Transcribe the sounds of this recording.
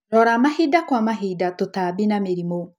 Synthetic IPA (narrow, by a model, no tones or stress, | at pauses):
ɾɔɾamahidakwamaɦidatotabinameɾimo